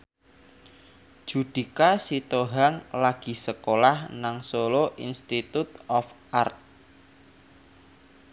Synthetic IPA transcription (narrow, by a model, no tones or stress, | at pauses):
ʒ̥ud̪̥i̤kasit̪oɦaŋlaɡ̥i̤səkolahnaŋsoloʔinst̪it̪ut̪̚ɔfʔart̪̚